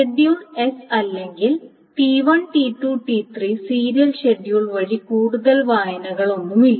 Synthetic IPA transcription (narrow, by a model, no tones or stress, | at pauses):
eɖijune̞sɐlːe̞ŋɡil | ʈiʋɐnʈiʈːuʈit̪ʰrisiːɾijɐlɕeɖijuɭʋɐɻikuːɽuðɐlʋaːjɐnɐɣɐɭo̞nːumilːɐ